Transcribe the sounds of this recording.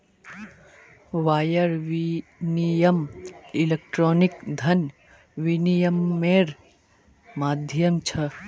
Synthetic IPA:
ʋaːjɐɾʋinijɐmilek̚ʈɾoːnikd̪ʱɐn | ʋinijɐmːeːɾ | maːd̪ʱjɐmt͡ʃʰɐ

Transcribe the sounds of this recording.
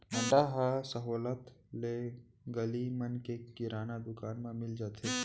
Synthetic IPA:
mə̃ɳɖaɦasəɦoːlət̪le | ɡəlimənkekɪɾaːnad̪ʊkaːnmẽmɪld͡ʒaːt̪ʰe

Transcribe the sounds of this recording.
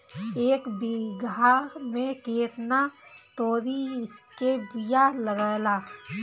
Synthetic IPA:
eːkbiɡamẽkeːt̪nat̪oːɾiɪskebijaləɡajlaː

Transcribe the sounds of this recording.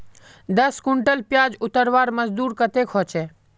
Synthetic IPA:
d̪əskʊɳʈəlpjaːd͡ʒʊt̪əɾʋaːɾməzd̪uːɾkət̪ekʰoːt͡ʃe

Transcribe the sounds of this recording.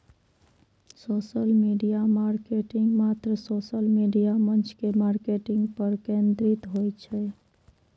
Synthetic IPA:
sosəlmiɖijamaɾkeʈiŋɡmat̪ɾəsosəlmiɖijamənt͡ʃkemaɾkeʈɪŋɡpəɾkẽnd̪ɾit̪ɦojt͡ʃʰɛ

